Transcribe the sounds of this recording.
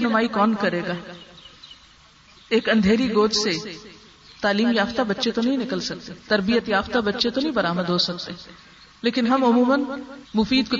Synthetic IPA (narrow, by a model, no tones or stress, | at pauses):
nʊmaːikɔːnkɐɾeːɡaː | eːkɐ̃nd̪ʱeːɾiɡoːd͡ʒse | t̪aːliːmjaːft̪abɐtːʃet̪onɐɦĩnɪkəlsɐk̚t̪et̪ɐɾbijət̪jaːft̪abɐtːʃet̪onɐɦĩbɐɾaːməd̪ɦosɐkt̪e | leːkɪnɦɐmʊmuːmənmʊfiːd̪ko